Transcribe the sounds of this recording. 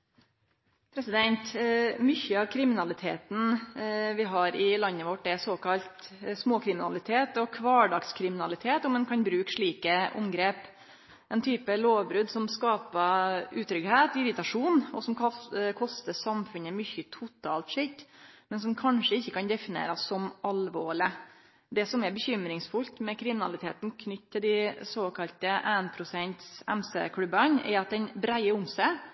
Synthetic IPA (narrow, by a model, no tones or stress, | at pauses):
pʰɾɛsɪd̪ɛnt̪mʏçːəɑʋkʰɾɪmɪnɑlɪt̪ʰḛːt̪n̩ʋɪɦɑɾɪlɑnːəʋɔʈːɛsoːkɑlt̪smoːkʰɾɪmɪnɑ̰lɪt̪ʰeːt̪ɔkʰʋɑːɖɑkskʰɾɪmɪnɑlɪt̪ʰeːt̪ɔmɛnkʰɑnbɾʉːkʂɭiːkəʔʊ̰mɡɾeːp | ʔɛnt̪ʰyːpəloːʋbɾʉːd̪sɔmskɑːpəʉːt̪ʰɾʏɡheːt̪ɪɾɪt̪ɑʂuːnɔsɔmkʰɔst̪əsɑmfʉnəmʏçːət̪ʰʊt̪ʰɑːlt̪ʂɪt̪ːmɛnsɔmkʰɑnʂəɪçːəkɑnd̪ɛfɪnḛːɾɑsːɔmɑlʋoːɭɪ | d̪ɛsɔmɛɾbəçʏmɾɪŋsfʉlt̪mɛkʰɾɪmɪnɑ̰lɪt̪ʰḛːt̪nkʰnʏt̪ːt̪ʰːɪld̪ɪsoːkʰɑlt̪əʔæːnpʰɾʊsɛnt̪sɛ̰msḛkʰɽʉbənɛ̰ɑt̪̚d̪ɛnbɾæɪəʊmsæ